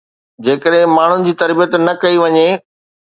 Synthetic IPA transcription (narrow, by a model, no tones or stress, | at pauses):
d͡ʑeːkəɗɦɪ̃maːɳ̤ʊnɪ̆d͡ʑiːt̪ɐɾbijət̪nɐkɐiʋɐɲe